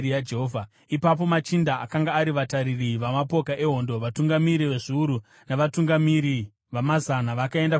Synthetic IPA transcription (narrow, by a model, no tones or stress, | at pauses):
ijad͡ʒeɦoːvʱa | ipap̬o̞mat͡ʃindaːkaŋɡaːɾiʋataɾiriʋamapo̞kaʔe̞ɦo̞ndoʋatuŋɡamiɾiʋe̞ʐiuɾu | naʋatuŋɡamiɾi | ʋamazanaʋakae̞nda